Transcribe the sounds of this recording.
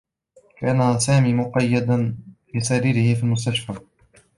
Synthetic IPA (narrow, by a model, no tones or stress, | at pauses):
kaːnasaːmiːmʊqɑjːad̪anbɪsaɾiːɾɪhɪfiːlmʊs̬t̪aʃfa